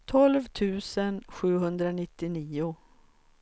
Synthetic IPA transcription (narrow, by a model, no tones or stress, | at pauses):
t̪ʰɔlvt̪ʰʉ̟ːsənɧʉ̟ːɦɵnd̪ɾanɪt̪ːɪniːʊ